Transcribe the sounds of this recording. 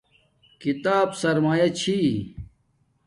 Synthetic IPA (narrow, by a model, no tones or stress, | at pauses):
kit̪aːbsɐɾmaːjɐt͡ɕʰi